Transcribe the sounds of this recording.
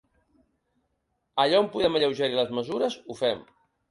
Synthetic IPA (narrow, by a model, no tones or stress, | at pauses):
əʎɔompuðɛməʎəwʒeɾiləzməzuɾəzufɛm